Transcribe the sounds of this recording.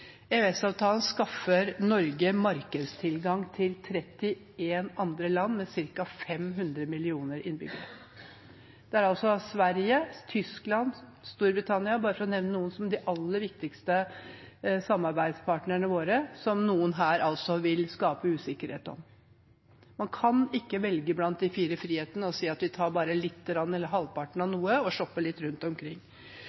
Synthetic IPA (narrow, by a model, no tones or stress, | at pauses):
ɛɛsɑːʋt̪ʰɑːlən̩skɑfːəɾnɔɾɡəmɑɾkəd̪st̪ʰɪlɡɑŋt̪ʰɪlt̪ʰɾɛt̪ːɪ | eːnɑnd̪ɾəlɑnːmɛsɪɾkɑfɛmɦʉnd̪ɾəmɪlɪuːnəɾɪ̰nbʏ̰ɡəɾə̰ | d̪̥ɛæɾɑlsɔsʋæɾjət̪ʰʏsklɑnst̪uːɾbɾɪt̪ʰɑnɪɑbɑːɾəfɔɾɔnɛʋnənuːənsɔmd̪ɪʔɑlːəɾʋɪk̚t̪ɪkst̪ə | sɑmːɑɾbæɪd̪spʰɑʈnəɳəʋoːɾəsɔmnuːənɦæːɾʔɑlsɔʋɪlskɑːpəʉːsɪkːəɾhḛːt̪ɔ̰m | mɑnkʰɑnɪkːəʋɛlɡəblɑnt̪̚d̪ɪfiːɾəfɾiːheːt̪ənəɔsiːɑt̪ʋɪt̪ʰɑːɾbɑːɾəlɪt̪ːɾɑnːɛlːəɾɦɑlpɑʈəɳ̩ɑnuːəɔʂɔpːəɭɪt̪ːɾʉnt̪ɔmkʰɾɪŋː